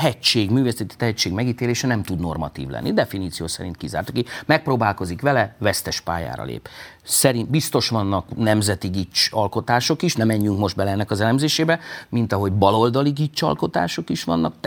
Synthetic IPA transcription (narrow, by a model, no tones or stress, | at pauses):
ɦɛct͡ʃːeːɡmyːvesɛt̪i̥t̪ɛɦɛct͡ʃːeːɡmɛɡiːt̪eːleːʃɛnɛmt̪ud̪no̞̰rmɒ̰t̪ḭːvlɛ̰nːʔid̪ɛfiniːt̪sijoːsɛ̰ɾint̪̚kiza̰ːrt̪ukimɛk̚proːbaːlko̞zikʋɛlɛvɛst̪ɛʃpa̰ːja̰ːɾɒ̰lḛːp | sɛɾint̪bist̪o̞ʃʋɒnːɒknɛmzɛt̪iɡit͡ʃɒlko̞t̪aːʃo̞kiʃnɛmɛɲːyŋkmo̞ʒd̪̚bɛlɛɛnːɛkɒzɛlɛmzeːʃeːbɛmint̪ɒɦo̞ɟbɒlo̞ld̪ɒliɡit͡ʃːɒ̰lko̞t̪a̰ːʃo̞kiʃʋɒ̰nːɒk̪̚